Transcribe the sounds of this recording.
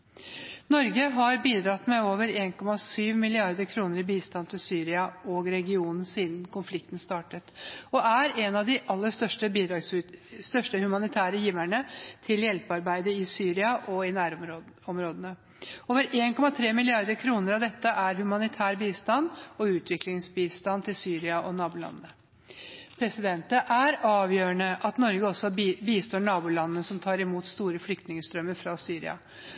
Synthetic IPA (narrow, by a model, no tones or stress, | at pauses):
nɔɾɡəɦɑɾbiːd̪ɾɑt̪mɛoːʋəɾeːnkʰɔmɑsyːʋmɪlɪɑɾd̪əɾkʰɾuːnəɾɪbiːst̪ɑnt̪ʰɪlsyːɾɪɑɔɡɾɛɡɪuːnn̩siːd̪nkʰʊnflɪkt̪nst̪ɑːʈət̪ɔæɾɛnɑʋd̪ɪʔɑlːəʂt̪œʂʈəbiːd̪ɾɑɡsst̪œʂʈəhʉmɑnɪt̪ʰæːɾəjiːʋæɳət̪ʰɪljɛlpəɑɾbæɪd̪əɪsyːɾɪɑʔɔɪnæːɾ | ɔmɾoːd̪ənə | oːʋəɾʔeːnkʰɔmɑt̪ʰɾeːmɪlɪɑɾd̪əɾkʰɾuːnəɾɑʋd̪ɛt̪ːəʔæɾhʉmɑnɪt̪ʰæːɾbiːst̪ɑnɔʉːt̪ʰʋɪklɪŋsbiːst̪ɑnt̪ʰɪlsyːɾɪɑʔɔnɑːbʊlɑ̰nːə | pʰɾɛsɪd̪ɛnt̪əʔæɾɑːʋjøːəɳəʔɑt̪nɔɾɡəɔsːɔbiːst̪oːɳɑːbʊlɑnːəsɔmt̪ʰɑːɾɪmuːt̪st̪uːɾəflʏk̚t̪nɪŋəst̪ɾœmːəɾfɾɑsyːɾɪ̰ɑ̰